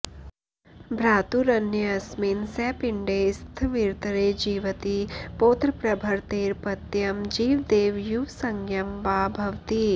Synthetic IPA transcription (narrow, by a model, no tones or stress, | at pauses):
bʱɾaːt̪uɾɐnjɐɐsminsɛːpɪɳɖeːst̪ʰʋiɾt̪ɐɾeːd͡ʒiːʋət̪ipoːt̪ɾəpɾɐbʱɐɾt̪eːɾpɐt̪jɐmd͡ʒiːʋd̪eːʋjusɐŋɡjɐmʋaːbʱɐʋt̪i